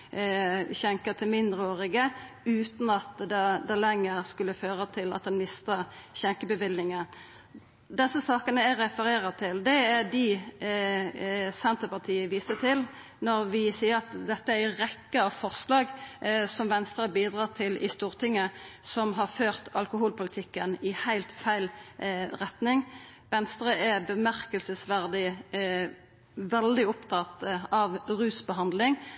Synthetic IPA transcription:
çɛŋkət̪ʰɪlmɪnd̪ʁəoːʁɪɡə | ʉːt̪n̩ɑt̪d̪ɛd̪ɛlɛŋːəʁskʉlːəføːʁət̪ʰɪlɑ̰t̪̚d̪ɛnmɪst̪əʁçɛŋkəbəʋɪlnɪŋən | d̪ɛsːəsɑːkənəæɾɛfəɾeːɾət̪ʰɪld̪ɛæd̪ɪ | sɛnt̪əpɑt̪ʰiːəʋiːsət̪ʰɪl | nɔɾʋɪsiːəɾɑt̪d̪ɛt̪ːəææʁɛkːəɑfɔʁslɑːɡsɔmʋɛnst̪ɾəbiːd̪ʁɑːt̪ʰɪlɪ̰st̪uːʁt̪ʰɪŋːəsɔmɦɑʁføːʁt̪ɑlkʊhuːlpʊlɪt̪ʰɪkːənɪhæɪlt̪fæɪlʁɛt̪nɪŋ | ʋɛnst̪ɾəæbəmæʁkəlsəsʋæʁd̪ɪ | ʋɛld̪ɪɔpt̪ʰɑt̪ɑʋʁʉːsbəɦɑnd̪lɪŋ

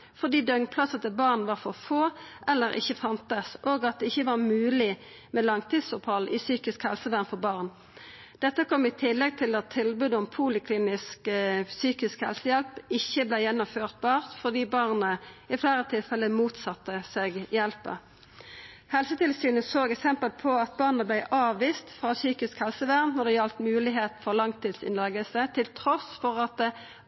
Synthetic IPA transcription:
fɔʁd̪iːd̪œŋpʰlɑsət̪ɪlbɑːʁnʋɑʁfɔʁfoːʔɛlːəɾɪ̰çəfɑnt̪əsʔoːɡɑt̪̚d̪ɛɪçːəʋɑːʁmʉːlɪ | mɛlɑŋt̪ʰiːd̪sʊphɑlʔɪsyːkɪskhɛlsəʋæʁnfɔʁbɑːʁn | d̪̥ɛt̪ːəkʰɔmːɪt̪ʰɪlːɛɡ̚t̪ʰɪlɑt̪ʰːɪlbʉd̪ɔmpʰuːlɪkʰliːnɪsksyːkɪskhɛ̰lsəjɛlpɪçːəblæɪjɛnːʊmføːʁt̪̚bɑːʁt̪fɔʁd̪iːbɑːʁnəɪflæːʁət̪ʰɪlfɛlːəmuːt̪sɑt̪ːəseːɡjɛlpə̰ʁ | hɛlsət̪ʰɪlsyːnəsoːɡɛksɛmpəlpʰɔɑt̪̚bɑːʁnəblæɪʔɑːʋiːst̪fʁɑːsyːkɪskhɛlsəʋæːʁnnɔʁd̪ɛjɑlt̪mʉːlɪɦeːt̪fɔʁlɑŋt̪ʰiːd̪sɪ̰nlɑɡəsət̪ʰɪlt̪ʰʁɔsfɔʁɑt̪̚d̪ɛ

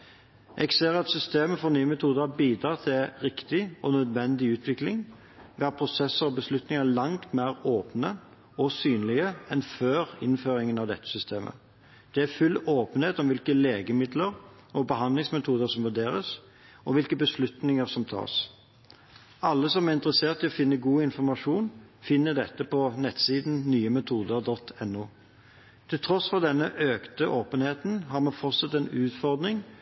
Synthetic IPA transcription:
ʔɛɡseːɾɑt̪sʏst̪eːməfɔɾnyːəmɛt̪ʰuːd̪əbiːd̪ɾɑːʁt̪ʰɪʁɪkt̪ɪɔnœd̪ʋɛnd̪ɪʉːt̪ʰʋɪklɪŋ | ʋeːɑpʰɾʊsɛsːəɾɔbəslʉt̪nɪŋəlɑŋt̪mæːʁoːpnə | ɔsyːnlɪɡəɛnføːɾɪ̰nføːɾɪŋənɑʋd̪ɛ̰t̪ːə̥sʏst̪ʰeːmʔə̰ | d̪̥ɛæfʉlːoːpənheːt̪ɔmʋɪlkəleːɡəmɪd̪ləɾ | ɔbəɦɑnd̪lɪŋsmɛt̪ʰuːd̪əʁsɔmʋʉd̪eːɾəs | ʔɔʋɪlkəbəslʉt̪nɪŋəʁsɔmt̪ʰɑ̰ːs | ɑlːəsɔmæʁɪnt̪əʁəseːʁt̪ɪɔfɪnːəɡuːɪnfɔʁmɑʂuːnfɪnːəd̪ɛt̪ːəpɔnɛt̪siːd̪n̩nyːəmɛt̪ʰuːd̪əʁd̪ɔt̪ʰɛnːuː | t̪ʰɪlt̪ʰɾɔsfɔʁd̪ɛnːəʔøːkt̪əʔoːpənheːt̪n̩ɦɑʁmɛnfɔʁt̪sɑt̪ːɛnʉːt̪fɔʁd̪nɪŋ

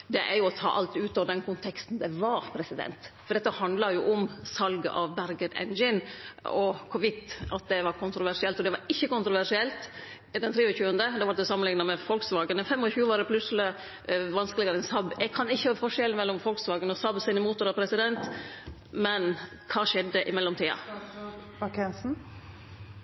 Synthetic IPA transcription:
d̪ɛʔæɾjʊɔt̪ʰɑ̰ːʔɑlt̪ʉːt̪ɔːʋəd̪ɛnkʰʊnt̪ʰɛkst̪n̩d̪ɛʋɑɾpʰɾɛsɪd̪ɛ̰nt̪fɔɾɖ̪ɛt̪ːəhɑnd̪lɑjʊʔʊmsɑlɡə̰ʔɑʋbæɾɡəd̪ɛ̰nd͡ʒɪnɔkʰʊʋɪt̪ːɑt̪̚d̪ɛʋɑɾkʰʊnt̪ɾʊʋæʂɪɛlt̪ɔd̪ɛʋɑɾɪçːəkʊnt̪ɾʊʋæʂɪɛlt̪ | d̪ɛnt̪ʰɾiːʋəçʉːənd̪əd̪ɑːʋɑɾd̪ɛsɑmənlɪŋnɑmɛfɔlksʋɑːɡənəfɛmːɔçʉːəʋɑɾd̪ɛpʰlʉsəlɪ | ʋɑnskəlɪɡɑɾəɛnsɑbɛɡ̚kʰɑnɪçːəhɑːfɔʂɛlnmɛlːɔmfɔlksʋɑːɡənɔsɑbsɪnɪmuːt̪ːʊɾɑpʰɾɛsɪd̪ɛnt̪ | mɛn | kʰɑːʂɛd̪ːəʔɪmɛlːɔmt̪ʰiːɑ̰ | ɑkʰɛnsn̩

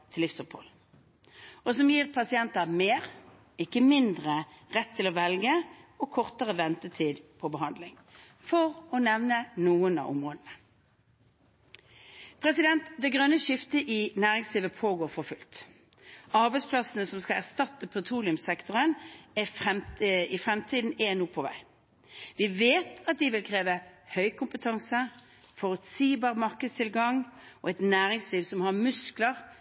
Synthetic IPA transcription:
t̪ʰɪlɪfsɔpʰhɔ̰l | ɔsɔmjiːʁpʰɑsɪɛnt̪ɑmeːʁ | ɪkːəmɪnd̪ʁəʁɛt̪ʰːɪlɔʋɛlɡəɔkʰɔʁt̪əʁəʋɛnt̪ət̪ʰiːd̪pʰɔbəɦɑnd̪lɪŋ | fɔʁɔnɛʋnənuːənɑ̰ʊ̰mʁoːd̪ənə | pʰʁɛsɪd̪ɛnt̪d̪ɛɡʁœnːəʃɪft̪əʔɪnæːʁɪŋsliːʋəpʰoːɡoːʁfɔʁfʉlt̪ | ɑʁbɛɪspʰlɑsənəsɔmskɑlæʁst̪ɑt̪ːəpʰɛt̪ʰʁuːlɪʉmsɛkt̪ʊʁənɛfʁɛɪfʁɛmt̪ʰiːd̪n̩enuːpʰɔʋæ̰ɪ | ʋɪʋeːt̪ɑt̪̚d̪ɪʋɪlkʰʁeːʋəhœʏkʰʊmpət̪ʰɑŋsə | fɔʁʉt̪siːbɑːʁmɑʁkəst̪ʰɪlɡɑŋɔɛt̪næːʁɪŋsliːʋsɔmhɑʁmʉskləʁ

